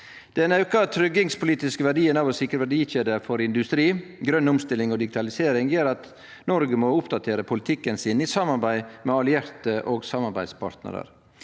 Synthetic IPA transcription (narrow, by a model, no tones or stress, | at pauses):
d̪̥ɛnæʉːkət̪ʰɾʏɡɪŋspʊliːt̪ɪskəʋæɖiːənɑːʋɔsɪkːɾəʋæɖiːçeːd̪əfɔɾɪnd̪ʉst̪ɾiːɡɾœnːʊmst̪ɪlɪŋɔd̪ɪɡɪt̪ɑlɪseːɾɪŋjøːɾɑt̪ | nɔɾɡəmɔʊpd̪ɑt̪ʰeːɾəpʰʊlɪt̪ʰɪkːənsɪnisɑmɑɾbæɪmɛɑlɪæɾt̪əʔoːɡsɑmɑɾbæɪd̪spʰɑ̰ɾt̪nə̰ɾə̰ɾ